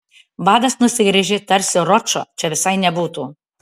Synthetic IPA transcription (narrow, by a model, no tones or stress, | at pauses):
bɑːd̪ɐsnʊsʲɪɡɾʲɪʒʲɪt̪ɐɾʲsʲɪɾɔt͡ʃoːt͡ʃʲɛʋʲɪsɐɪnʲɛbuːt̪uː